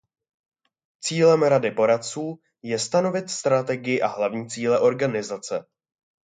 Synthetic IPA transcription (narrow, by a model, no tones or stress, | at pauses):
t͡siːlɛmɾadɪpo̞ɾat̪̚t͡suː | jɛst̪ano̞vɪt̪st̪ɾat̪ɛɡɪjɪʔaɦlavɲiːt͡siːlɛʔo̞ɾɡanɪzat͡sɛ